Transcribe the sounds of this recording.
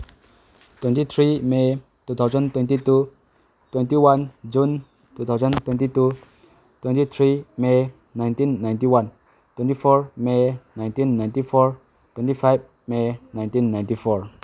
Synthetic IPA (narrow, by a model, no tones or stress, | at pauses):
t̪wɛ̃ntit̪ʰɹime | t̪ut̪ʰawzə̃ntwɛ̃ntitu | t̪wɛ̃ntiwãnd͡ʒũn | t̪ut̪ʰawzə̃nt̪wɛ̃ntitu | t̪wɛ̃ntit̪ʰɹime | nãjntĩnːãjntiwãn | t̪wɛ̃ntifɔɹmenãj̃ntĩnːãjntifɔɹ | twɛ̃ntifajv | menãj̃ntĩnːãj̃ntifɔɹ